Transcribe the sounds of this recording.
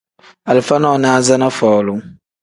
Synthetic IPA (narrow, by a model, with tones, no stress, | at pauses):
a˨lfa˦nɔ̃˦˨nã˦a˨za˦nã˦fɔ˨lʊ˨˦